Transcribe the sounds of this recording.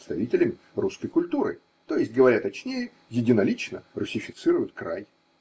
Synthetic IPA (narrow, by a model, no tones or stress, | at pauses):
st̪ɐvʲitʲɪlʲɪmʲɪ | ruskəjkʊlʲt̪uɾɨ̰ | t̪o̞jɪsʲt̚ʲɡəvɐɾʲat̪ɐt͡ɕnʲejə | jɪdʲɪnɐlʲit͡ɕnərʊsʲɪfʲɪt̪sɨɾʊjʊt̪kɾa̰j